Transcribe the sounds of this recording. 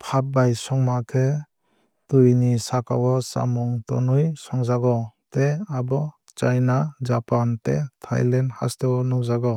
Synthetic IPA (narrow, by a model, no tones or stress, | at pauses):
pʰap̚bajsɔŋmakʰe | tujnisakawɔsa̰mɔŋtɔ̰nujsɔŋzaɡɔteabɔ | t͡ʃajnad͡ʒapantḛtʰa̰jlendha̰stewɔnɔwzaɡɔ